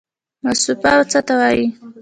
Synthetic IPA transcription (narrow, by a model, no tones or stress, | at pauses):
masupawt͡sat̪awaji